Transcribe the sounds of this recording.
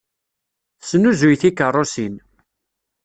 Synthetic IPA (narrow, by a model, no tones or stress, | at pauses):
sənuzujθikːərˤosin